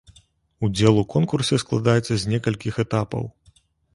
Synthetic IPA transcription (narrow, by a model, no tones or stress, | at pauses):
ud͡zʲɛlˠukɔnkursʲɛsklˠad̪ajɛt̪sːɐzʲnʲɛkɐlʲkʲixɛt̪apɐ̰w